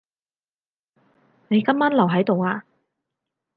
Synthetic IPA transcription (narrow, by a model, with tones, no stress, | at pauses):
ne˨˧jkɐ˥mːaː˥nlɐ˨wɦɐ˨˥jt̪o˨waː˧